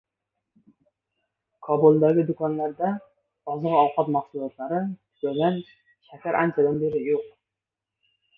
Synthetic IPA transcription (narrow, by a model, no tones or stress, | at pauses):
kʰɒbulˠd̪aɡʲɪd̪ʊkʰɒnlaɾd̪a | ɒzɨʁɒwqʰɒt̪mɑχsulˠɒt̪laɾɪtʰɪ̥kalɡʲan | ʃakʲʰaɾʔant͡ʃʰad̪anbeɾɪjoq